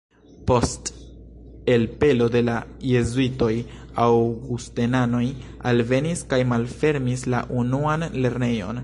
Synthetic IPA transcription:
po̞st | e̞lpe̞lo̞de̞laje̞zuito̞j | awɡustenano̞j | alve̞niskajmalfe̞ɾmisla̰ʔunuanle̞ɾne̞jo̞̰n

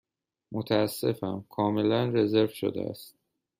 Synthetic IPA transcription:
mot̪ʰæːsːe̞fæmkʰɒːme̞lænre̞ze̞ɾvʃo̰d̪ḛæ̰st̪̚

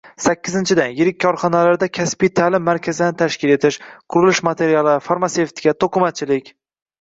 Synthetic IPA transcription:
sakʲːɪzɪnt͡ʃʰɪd̪anjɪɾɪkʲːʰɒɾχɒnalaɾd̪akʲʰaspɪjt̪ʰalɪmːaɾkʲʰazɪd̪ant̪ʰaʃkʲɪle̞t̪ʰɪʃqʰʊɾɪlˠɪʃmat̪ʰe̞ɾijalˠɪfaɾmase̞ft̪ʰɪ̥kʲat̪ʰoqʰʊmat̪̚t͡ʃʰɪlɪkʲ

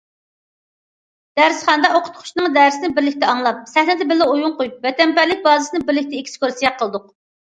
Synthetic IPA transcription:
d̪̥æɾsχɑnəd̪ɑoqʰʊ̥t̪qʰʊ̥ʃnɨŋd̪æɾsɪnɪbɪɾlɪkʲt̪ɛɑŋlˠɑp̚sɛhnɪd̪ɪbɪlːɪojuŋqojup̚vɛt̪ɛmpæɾlɪk̚ʲbɑːzɨsɨnɨbɪɾlɪk̚ʲt̪ɛekʲskʰʲoɾsijɑqʰːəlˠɨd̪ʊq

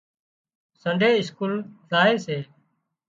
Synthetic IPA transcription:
səɳɖʱeːɪskuːlzaːeːseː

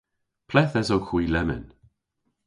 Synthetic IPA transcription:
pʰlɛθɛzowkʰwiːlɛmə̰n

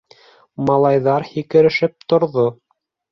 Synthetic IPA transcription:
mɑlˠɑjðɑɾhikɘ̆ɾɘ̆ʃɘp̚t̪ŏɾðo

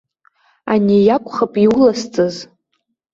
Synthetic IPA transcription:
anejakʷʼχapʼiulast͡sʼɨz

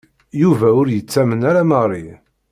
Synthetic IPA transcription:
juvæʊɾjət͡sːæmənæɾaməʁrˤːi

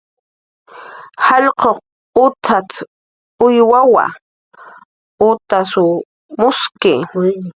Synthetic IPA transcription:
hɑʎqoχ | ʊt̪ʰat͡s | ʊjwawa̰ | ʊt̪asʊ | mʊskɪ

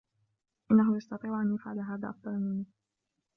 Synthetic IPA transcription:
ʔɪnːaɦʊjɑst̪ɑt̪ˤiːʕʔanjafʕa̰laɦaːða̰ːʔɑfd̪ˤɑɾˤmɪn

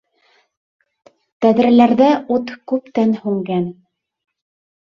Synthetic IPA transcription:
t̪æðɾɘ̆læɾðæʔut̪kʉpt̪ænhʉŋɡæn

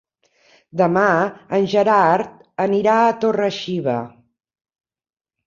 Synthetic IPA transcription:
d̪əmaənʲʒəɾaɾt̪̚ | əniɾaət̪orəʃiβə

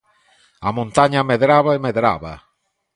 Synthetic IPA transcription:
amõnt̪aɲameðɾaβaemeðɾa̰βa̰

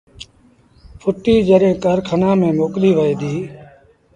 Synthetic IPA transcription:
pʰʊʈiːd͡ʒəɾẽːkəɾkʰənãːmẽːmoːkliːʋəeːd̪iː

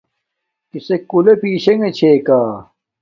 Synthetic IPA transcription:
kisekulepiːɕeŋet͡ɕʰeːkaː

